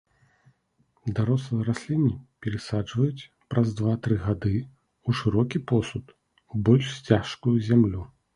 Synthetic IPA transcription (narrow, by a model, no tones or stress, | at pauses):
d̪aɾɔslˠɨjɐɾasʲlʲinʲːipʲɛɾɨsad͡ʐvɐjut͡sʲ | pɾɐzd̪vat̪ɾɨɣad̪ɨ | uʂɨɾɔkʲipɔsut̪ | ubɔlʲʂsʲt͡sʲaʂkujuzʲamlʲu